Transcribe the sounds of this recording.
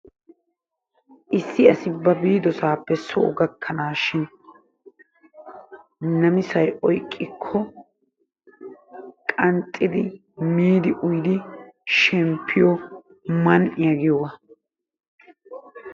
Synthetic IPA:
ʔɪsːɪɐsɪbɐbiːd̪ɔsaːpːɛsɔʔʊɡɐkʰːɐnaːʃɪn | nɐmɪsɐjʔɔjkʼːɪkʰːɔ | kʼɐnt̪ʼːɪd̪ɪ | miːd̪ɪʔʊjd̪ɪʃɛmpʰːɪjɔ | mɐnʔɪjɐɡɪjɔwɐ

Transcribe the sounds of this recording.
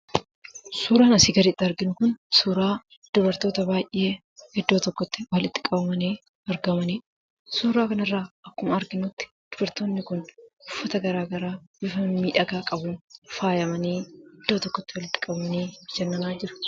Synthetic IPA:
suːɾaːnɐsiːɡɐɾiːt̪ːɪɐɾɡɪnʊkʊnsuːɾaː | d̪̥ɔbɐɾt̪oːt̪ɐbaːjʔːe̞ː | hɪd̪ːo̞ːt̪ɔkːɔt̪ːɪwɐlɪt̪ːɪ̥kʼɐbɐmɐniː | ɐɾɡɐmɐniː | suːɾaːkɐnɐrːaːʔɐkːʊmɐɐɾɡɪnʊt̪ːɪ̥d̪̥ʊbɐɾt̪oːnːɪkʊnʊfːɐt̪ɐɡɐɾaːɡɐɾaːbɪfɐmmiːᶑɐɡaːkʼɐbuːnfaːjɐmɐniːɪd̪̥ːoːt̪ɔkːɔt̪ːɪwɐlɪt̪ːɪ̥kʼɐbɐmɐniːd͡ʒɛnːɐnaːd͡ʒɪɾʊ̥

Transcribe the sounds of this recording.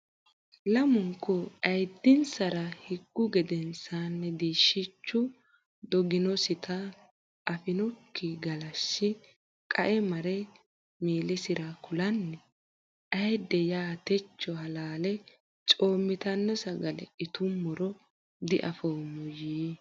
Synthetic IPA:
lɐmʊŋkːʊʔɐjd̪ːɪnsɐɾɐhɪɡ̥ːʊɡɛd̪ɛnsanːɛd̪iːʃːɪt͡ʃːʊ | d̪ɔɡɪnɔsɪt̪ʰɐ | ʔːfɪnɔkʰːiɡɐlɐsːɪ | kʼɐʔɛmɐɾɛ | meːlɛsɪɾɐkʊlɐnːɛ | ʔɐjd̪ːɛjaːt̪ɛt͡ʃːɔɦɐlaːlɛ | t͡ʃʼoːmːɪt̪ɐnːɔsɐɡɐlɛ̰ʔɪt̪ʊmːɔɾɔ | d̪ɪʔɐfoːmɔjiː

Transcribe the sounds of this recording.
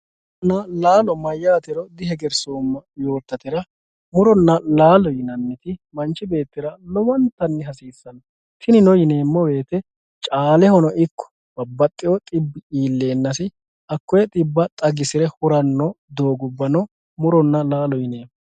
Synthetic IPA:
nːɐlaːlɔmɐjːaːt̪ɪɾɔd̪ɪɦɛɡɛɾsoːmːɐjo̞ːɾt̪ːɐt̪ɪɾɐ | mʊɾɔnːɐlaːlɔjɪnɐnːɪt̪ɪmɐnt͡ʃːɪbe̞ːt̪ːɪɾɐlɔwɐnt̪ɐnːɪɦɐsiːsːɐnɐ | t̪ɪnɪnɔjɪne̞ːmːɔwe̞ːt̪ɛ | t͡ʃʼaːlɛhɔnɔʔɪkːɔ̥ | b̥ɐbːɐt̪ʼːɪwɔt̪ʼɪbːɪiːlːe̞ːnːɐsɪ | ɐkːɔjɛt̪ʼɪbːɐt̪ʼɐɡɪsɪɾɛhʊɾɐnːɔd̪o̞ːɡʊbːɐnɔ | mʊɾɔnːɐlaːlɔjɪneːmː

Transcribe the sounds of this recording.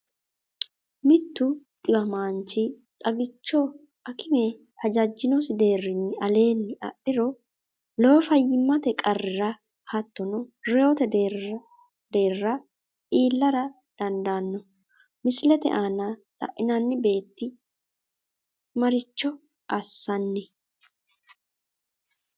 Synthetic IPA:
mɪt̪ːʊt̪ʼɪbɐmaːnt͡ʃɪ | t̪ʼɐɡɪt͡ʃːɔ | ʔɐkʰɪme | hɐd͡ʒɐd͡ʒːɪnɔsɪd̪e̞ːrːɪnːɪʔɐle̞ːnːɪɐ̰ɗɪɾɔ | lo̞ːfɐjːɪmːɐt̪ɛkʼɐrːɪɾɐ | hɐt̪ːɔnɔɾɛjoːt̪ɛd̪eːɾ | d̪e̞ːrːɐ | ʔiːlːɐɾɐ | d̪̥ɐnd̪aːnːɔ | mɪslɛt̪ɛ̰ʔaːnalɐ̰ʔɪnɐnːɪbe̞ːt̪ːɪ | mɐɾɪt͡ʃːɔ | ɐsːɐnːɛ

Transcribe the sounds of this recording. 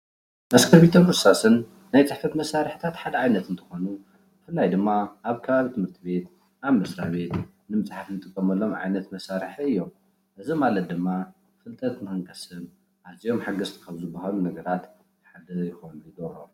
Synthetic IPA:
mɐskʰɐɾβit̪ʰɐnkʰɨsasɨnː | ajt͡sʼɨħfɐt̪mɐsːaɾɨħt̪ʰat̪ħad̪ɐʕajnɐt̪ɨnt̪ʰɨ̥xo̞nu | bfɨlːajd̪ɨmːaʔːβkʰɐβaβit̪ʰɨmhɨɾt̪ʰɨβe̞t̪ | ʔaβmɐsɾaβe̞t̪ | nɨmɨt͡sʼħafnɨt̪ʼɨkʼːɐmɐlːo̞mʕa̰jnɐt̪mɐsaɾɨħiɨjːom | ʔɨzimalɐt̪̚d̪ɨmːa | fɨlt̪ʼɐt̪mɨɨŋkʰʼɐsɨn | ʔazijo̞mħaɡɐst̪ʰi̥kʰɐβzɨbːahalunɐɡɐɾat̪ | ħad̪ɐjɪxonujd̪oɾo

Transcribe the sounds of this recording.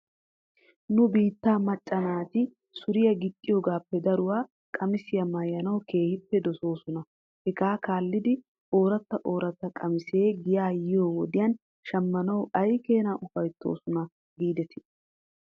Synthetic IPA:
nʊbiːt̪ːaːmɐt͡ʃʼːɐnaːt̪ɪ | sʊɾɪjɐɡɪt̪ʼːɪjoːɡaːpːɛd̪ɐɾʊwaː | kʼɐmɪsɪjɐmɐjːɐnɐwke̞ːhɪpːɛd̪ɔso̞ːsʊnɐ | hɛɡaːkaːlːɪd̪ɪ | o̞ːɾɐt̪ːɐʔo̞ːɾɐt̪ːɐkʼɐmɪse̞ːɡɪjaːjɪjoːwɔd̪ɪjɐn | ʃɐmːɐnɐwɐjke̞ːnaːʔʊfɐjt̪ːo̞̰ːsʊnɐ | ɡiːd̪ɛt̪ɪ̥

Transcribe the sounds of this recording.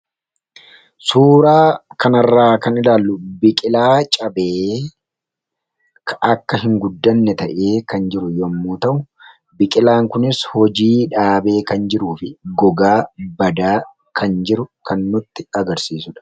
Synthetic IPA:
suːɾaːkʰɐnɐrːaːkɐnɪlaːlːʊbɪkʼɪlaːt͡ʃʼɐbeː | kɐkːɐɦɪŋɡʊd̪ːɐnːɛt̪ɐʔe̞ːkɐnd͡ʒɪɾʊjɔmːuːt̪ɐʔʊ | bɪkʼɪlaːŋkʊnɪshɔd͡ʒiːᶑaːbe̞ːkɐnd͡ʒɪɾuːfɪɡɔɡaːbɐd̪aː | kʰɐnd͡ʒɪɾʊkʰɐnːʊt̪ːɪɐɡɐɾsiːsʊᶑɐ̥

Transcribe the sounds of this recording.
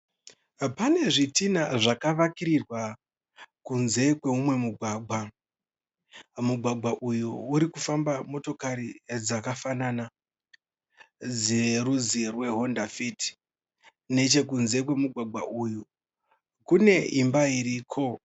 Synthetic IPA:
pane̞ʐitinaʐakaʋakiɾirwa | kunze̞kwe̞umwe̞muɡʱwaːɡʱa | muɡʱwaɡ͡bʱaʔujuuɾikufambamo̞to̞kaɾid͡zakafanana | d͡zeɾuzirwe̞ɦo̞ndafiti̥ | ne̞t͡ʃekunze̞k̬we̞muɡʱwaɡ͡bʱaʔuju | kune̞imbaiɾiːkʰo̞

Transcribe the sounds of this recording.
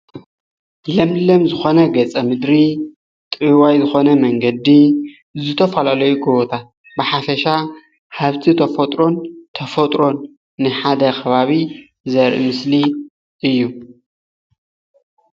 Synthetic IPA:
lɐmlɐmzɨxo̞nɐɡɐt͡sʼɐmɨd̪ɾi | t̪ʼɨwajzɨxo̞nɐmɐŋɡɐd̪i | zɨt̪ʰɐfalalɐjuɡɨβot̪ʰat̪̚ | bɨħafɐʃa | haβt̪ʰit̪ʰɐfɐt̪ʼɾo̞nt̪ʰɐfɐt̪ʼɾo̞nː | ɨħad̪ɐkʰɐβaβi | zɐɾʔɨ̰mɨsli | ʔɨjːu

